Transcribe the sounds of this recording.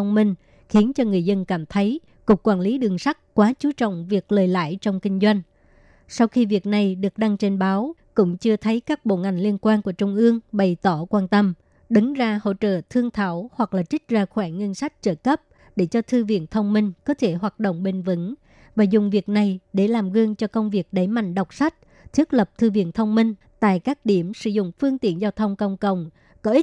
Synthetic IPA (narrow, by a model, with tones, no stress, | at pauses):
wŋ͡mmï˧ŋ̟ | xi˨˦ənt͡ɕɔ˧ŋɨ˨˩əjzə˧nkaː˧˩mt̪ʰə˨˦j | kʊ˨˩kːwaː˧˩nli˨˦ɗɨ˨˩əŋsa˦˥k̚kwaː˨˦t͡ɕu˨˦t͡ɕɔ̰˧˨wŋ͡mvi˨˩ək̚ləː˨˩jla̰ː˧˥˨jt͡ɕɔ˧wŋ͡mkï˧ŋ̟zwa˧jŋ̟ | sa˧wxi˧vi˨˩ək̚na˨˩jɗɨ˨˩ək̚ɗa˧ŋt͡ɕe˧nɓaː˨˦wkʊ̰˧˥ŋ͡mt͡ɕɨ˧ət̪ʰə˨˦jkaː˦˥k̚ɓo̰˧˨ŋa˨˩jŋ̟li˧ənkwaː˧nku˧˩ət͡ɕʊ˧ŋ͡mʔɨ˧əŋɓə˨˩jt̪ɔ˧˩kwaː˧nt̪ə˧m | ɗɨ˨˦ŋzaː˧ho̰˧˨t͡ɕə̰ː˧˨t̪ʰɨ˧əŋt̪ʰaː˧˩whwa˨˩k̚laː˨˩t͡ɕï̟˦˥zaː˧˩xwɛː˧˩ŋŋːi˧ənsa˦˥k̟̚t͡ɕəː˧˩kə˦˥p̚ | ɗe˧˩t͡ɕɔ˧t̪ʰɨ˧vḭ˧˨ənt̪ʰə˧wŋ͡mmï˧ŋ̟kɔ˨˦t̪ʰe˧˩ɦwaː˨˩t̚ɗo̰˧˨wŋ͡mɓe˧˩nvɨ˨˧˥ŋ | vaː˨˩zʊ˨˩ŋ͡mvi˨˩ək̚na˨˩jɗe˧˩laː˨˩mɣɨ˧əŋt͡ɕɔ˧kə˧wŋ͡mvi˨˩ək̚ɗə˨˩jma̰˧˨jŋ̟ɗə˨˩wk͡p̚sa˦˥k̚ | t̪ʰi˦˥ət̚lə˨˩p̚t̪ʰɨ˧vḭ˧˨ənt̪ʰə˧wŋ͡mmï˧ŋ̟ | t̪a̰ː˧˨jkaː˦˥k̚ɗi˧˩əmsɨ̰˧˥zʊ̰˧˨ŋ͡mfɨ˧əŋt̪i˧˨ənzaː˧wt̪ʰə˧wŋ͡mkə˧wŋ͡mkə̰˧˨wŋ͡m | kɔ˨˦ʔi˦˥